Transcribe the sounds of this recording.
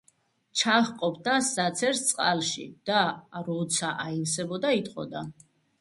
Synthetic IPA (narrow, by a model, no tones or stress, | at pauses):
t͡ʃʰaχqʼɔpʰd̪asat̪sʰɛɾst̪sʼqʼa̰lʃḭd̪̥aɾɔt̪sʰaʔailsɛbɔd̪ait̪ʼqʼɔ̰d̪a